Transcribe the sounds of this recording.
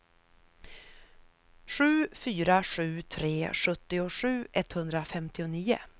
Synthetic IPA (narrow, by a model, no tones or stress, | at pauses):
ʂʉ̟ːfyːɾaɧʉ̟ːt̪ʰɾeːʂɵt̪ːɪʊʂʉ̟ːʔɛt̪ːhɵnd̪ɾafɛmt̪ɪʊniːʊ̰